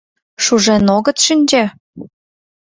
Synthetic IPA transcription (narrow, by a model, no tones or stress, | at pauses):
ʃuʒenoɣə̆t̪ʃənʲd͡ʑe